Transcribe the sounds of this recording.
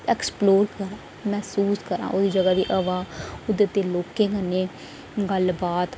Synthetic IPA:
ɛːksploːɾkəɾãː | mɛːsuːskəɾã̰ːʔoːd̪iːd͡ʒəɡaːd̪ḭːʔəʋãːʊd̪et̪eːloːkẽːkənːeː | ɡəlbaːt̪

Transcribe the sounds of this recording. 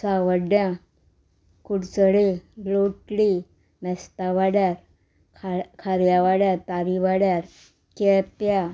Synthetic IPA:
saʋəɖjã | kuɽt͡səɽeɡloʈɽi | mɛst̪aʋaɽjaɾ | kkʰaɾjaʋaɽjaɾt̪aɾiʋaɽjaɾ | kɛpja

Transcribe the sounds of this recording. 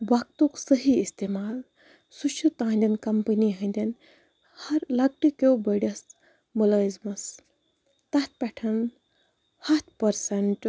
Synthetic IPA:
ʋɐk̚t̪uksəɦiist̪emaːl | suʃʰut̪ãːnʲd̪ɐnkɐmpəniɦɐ̃nd̪ʲɐn | hɐɾlɐɡ̚ʈikobəɽʲɐs | mulɐzmɐs | t̪ɐt̪̚ʰpʲɛʈʰɐn | hɐt̪ʰpɐɾsɐɳʈ

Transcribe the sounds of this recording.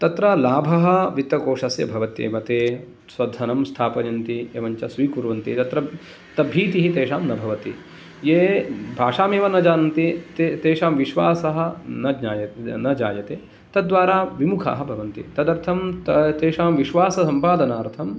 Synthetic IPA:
t̪ɐt̪ɾɐlaːbʱɐɦɐ̆ʋit̪ʋɐkoːʂɐsjɐ̰bʱɐʋɐt̪jḛːmɐt̪eː | sʋɐd̪ʱːɐnɐmst̪ʰaːpɐjɐnt̪ieːʋɐɲt͡ʃɐsʋiːkuɾʋɐnt̪it̪ɐt̪ɾɐ | t̪ɐbʱiːt̪iɦit̪eːʃaːmnɐbʱɐʋɐt̪ḭ | jeːbʱaːʂaːmeːʋɐnɐd͡ʒaːnɐnt̪it̪et̪eːʂaːmʋiʃʋaːsɐɦɐ̆nɐɲaːjɐnɐd͡ʒaːjɐt̪eː | t̪ɐd̪ʋaːɾaːʋimukʰa̰ːɦɐ̆bʱɐʋɐnt̪ḭt̪ɐd̪ɐɾt̪ʰɐmt̪t̪eːʃaːmʋiʃʋaːsɐsɐmpaːd̪ɐnaːɾt̪ʰɐm

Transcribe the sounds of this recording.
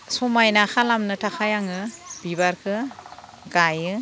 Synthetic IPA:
sɔmajnaxʰalamnɯtʰakʰajaŋɯb̥ibaɾkʰɯ | ɡajɯ

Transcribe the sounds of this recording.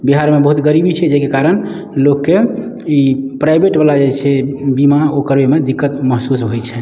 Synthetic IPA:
biɦaɾmebəɦut̪ɡəɾibit͡ʃʰɛd͡ʒekekaɾən | lokːe | ipɾajbeʈbalad͡ʒat͡ʃʰɛbimaokəɾbemed̪ikːət̪məɦsusɦojt͡ʃʰɛ

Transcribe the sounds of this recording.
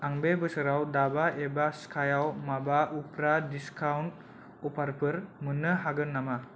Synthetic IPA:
aŋbebɯsɯɾawdabaʔebaskʰajawmabaʔupɾadiskʰawnt̚ | upʰaɾpʰɯɾmɯnːɯɦaɡɯnːama

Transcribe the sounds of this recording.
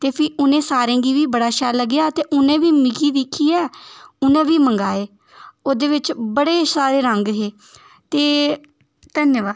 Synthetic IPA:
t̪eːpʰiːʔʊnẽːsaːɾẽːɡiːʋiːbəɽaːʃɛːləɡjaːt̪eːʔʊnẽːʋiːmɪɡiːd̪ɪkʰːiːɛːʊnẽːʋiːməŋɡaːeː | oːd̪eːʋɪt͡ʃbəɽeːsaːɾeːɾəŋɡɦeː | t̪eː | t̪ənjəʋaː

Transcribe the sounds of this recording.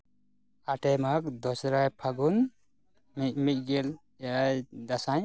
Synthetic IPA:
aʈɛmakd̪ɔsɾajpʰaɡun | m̚mic̪̚ˀɡɛl | ɛajd̪asaɲ

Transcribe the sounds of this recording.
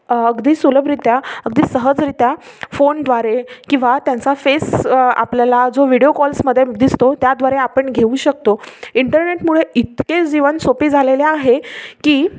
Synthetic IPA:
əɡd̪iːsuləbɾit̪jaəɡ̚d̪iːsəɦəd͡zɾit̪jafond̪ʋaɾekĩw̃ʋat̪jant͡safesa̰pljalad͡zoʋiɽiokɔlsməd̪ʱːjed̪ist̪ot̪jad̪ʋaɾeapəɳɡʱeuːɕək̚t̪oiɳʈəɾneʈmuɭeit̪ked͡ʑiʋənsopiːd͡zʱaleleaɦekiː

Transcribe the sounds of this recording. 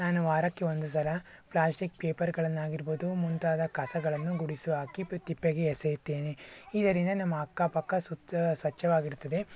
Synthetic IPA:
naːnuʋaːɾɐkːeo̞nd̪us̬ɐlɐplaːsʈik̚peːpɐɾɡɐɭɐnːaːɡiɾboːd̪umunt̪aːd̪ɐkɐsɐɡɐɭɐnːuɡuɽisuɦaːkit̪ipːeɡeːsɛjut̪ːeːneid̪ɐɾind̪ɐnɐmːɐɐkːaːpɐkːɐsusʋɐt͡ʃːɐʋaːɡiɾut̪ːɐd̪e̞

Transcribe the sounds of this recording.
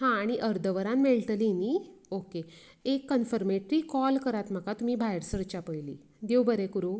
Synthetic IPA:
hãːɽ̃iʔəɾd̪ʱəʋəɾãmmeɭʈ̪liniːoke | ekːənfəɾmeʈɾiːkɔlkəɾat̪m̤akat̪um̤iːbʱajɾsəɾt͡ɕapəjlḭː | d̪ewbəɾekuɾo

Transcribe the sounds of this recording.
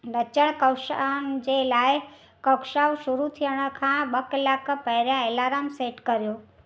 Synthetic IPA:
ɾət͡ʃəɽ̃kəwʃand͡ʒelaj | kəkʃawʃuɾut̪ʰiəɽ̃əkʰãɓəkəlakpəɦɾjãelaɾamseʈkəɾjo

